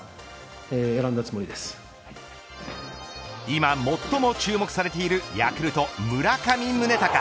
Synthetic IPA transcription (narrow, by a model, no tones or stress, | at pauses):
eːeɾãnd̪at͡sɨmo̞ɾʲid̪e̞sɨ̥ | imamo̞t̪ːo̞mo̞t͡ɕɨːmo̞kɯ̟saɾe̞t̪e̞iɾɯ̟ja̰kɯ̟ɾɯ̟t̪o̞mɯ̟ɾakamʲĩmːɯ̟ne̞t̪aka